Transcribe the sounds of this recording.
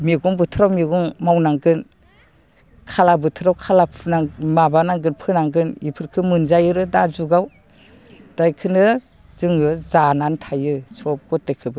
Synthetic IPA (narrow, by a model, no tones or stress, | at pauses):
miɡuŋbɯtʰɯɾawmiɡɔŋmawnaŋɡɯn | kʰalabɯtʰɯɾawkʰalapʰnamabanaŋɡɯnpʰɯnaŋɡɯnipʰɯɾkʰɯmɯnzajɯɾɯdazuɡaw | d̥ajkʰɯnɯ | zɯŋɯzanantʰajɯsʰɔp̚ɡʰɔt̚ekʰɯbɯ